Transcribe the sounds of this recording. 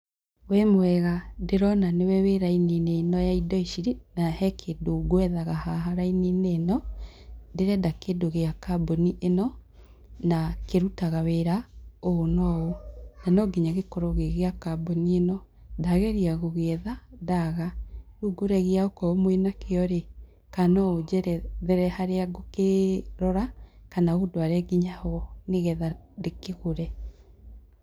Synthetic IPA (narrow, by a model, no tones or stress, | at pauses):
wɛmoɛɣadeɾɔnanewɛweɾainineːnɔjaidɔiʃiɾinahɛkʰedoɡwɛðaɣahaɦaɾainineːnɔ | ndeɾɛdakedoɣeakaboniʔenɔ | nakeɾutaɣaweɾaoːnɔonanɔɡiɲaɣekɔɾɔɣeɣeakabɔnienɔ | daɣɛɾiaɣoɣeɛðadaɣaɾuɡoɾɛɣeaokɔomwenakeɔɾe | kanɔod͡ʒɛɾɛðɛɾɛhaɾeaɡokeɾɔɾakanaodoaɾɛɡiɲaɣɔneɣɛðadekeɣoɾɛ